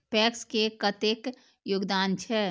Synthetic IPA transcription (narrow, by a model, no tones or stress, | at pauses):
pɛːkskekət̪eːk | joːɡd̪aːnt͡ʃʰɛ